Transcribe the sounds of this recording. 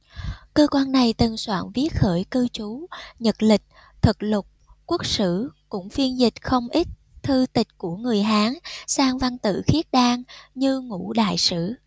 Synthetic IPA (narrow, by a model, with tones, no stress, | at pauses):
kəː˧kwaː˧nːa˨˩jt̪ɨ˨˩ŋswa̰ː˧˨nvi˦˥ət̚xəː˧˩jkɨ˧t͡ɕu˨˦ɲə˨˩t̚lï˨˩k̟̚ | t̪ʰɨ˨˩k̚lʊ˨˩k͡p̚ku˦˥k̚sɨ̰˧˥˨kʊ̰˧˥ŋ͡mfi˧ənzï˨˩k̟̚xə˧wŋ͡mʔi˦˥t̟̚ | t̪ʰɨ˧t̪ï˨˩k̟̚ku˧˩əŋɨ˨˩əjɦaː˨˦ŋsaː˧ŋva˧nt̪ɨ̰˧˨xi˦˥ət̚ɗaː˧ŋɲɨ˧ŋṵ˧˥ɗa̰ː˧˨jsɨ̰˧˥˨